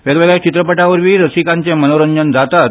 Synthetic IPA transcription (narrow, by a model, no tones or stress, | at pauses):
ʋeɡʋeɡɭjt͡ɕit̪ɾəpəʈaʋəɾʋiːɾəsikaɲt͡semənoɾəɲd͡ʑənd͡zat̪at̪